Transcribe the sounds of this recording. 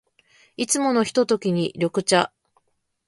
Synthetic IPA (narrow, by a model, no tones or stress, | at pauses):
it͡sɨmo̞no̞çi̥t̪o̞t̪o̞kʲiɲ̟iɾʲo̞kɯ̟t͡ɕa